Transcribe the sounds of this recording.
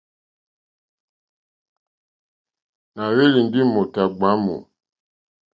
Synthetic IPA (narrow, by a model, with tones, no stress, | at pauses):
na˨we˦li˨n˦di˦mo˨ta˨ɡ͡ba˨˦mṵ˨